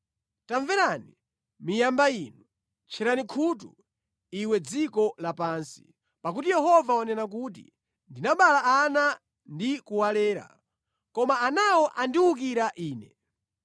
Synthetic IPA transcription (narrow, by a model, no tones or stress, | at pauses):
taɱvɛɾani | mijambaiːnu | t͡ʃʰɛɾanikʰutṵ | iwɛd͡zikɔlapaːnsi̥̰ | pak̬utijɛɦɔvawɔnɛnakut̬ḭ | ndinaɓalaʔana | ndikuwalɛːɾa̰ | kɔmaanawɔʔandiwuk̬iɾaʔiːnɛ̰